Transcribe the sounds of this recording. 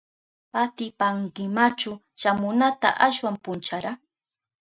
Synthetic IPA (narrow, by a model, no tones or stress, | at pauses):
at̪ɪpaŋkɪmat͡ʃʊ | ʃamʊnat̪a̰ʔaʃwampʊnt͡ʃaɾa